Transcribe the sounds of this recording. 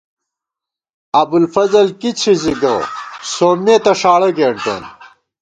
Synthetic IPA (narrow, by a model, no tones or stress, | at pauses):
ɐbulfɐzɐlkit͡ɕʰiziɡɐsoːmeːt̪ɐʂaːɽɐɡeːɳʈo̰n